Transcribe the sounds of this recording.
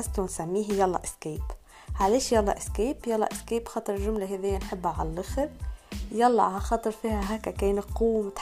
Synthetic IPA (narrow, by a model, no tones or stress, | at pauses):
ast̪unsamːiːɦjɑlˤːɑ̰ʔɪskeːp | ʕaleːʃjɑlːɑ̰ʔɪskeːpjɑlːɑ̰ʔɪskeːpxɑːt̪ˤɨɾˤʒʊmlaɦeðɪjːanħɪbːaʕa̰llɪxɾjɑlːɑ̰xɑt̪ˤɨɾˤfiːhæɦaːkakeːnquːmt̪